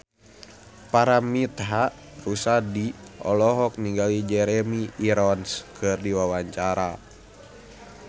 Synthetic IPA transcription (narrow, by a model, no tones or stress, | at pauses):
paɾamit̪ɦaʔ | rusadiʔɔ̰lɔɦɔk̚niŋɡalid͡ʒɛɾɛmiiɾɔnskʰɨrdiwawaɲt͡ʃaɾa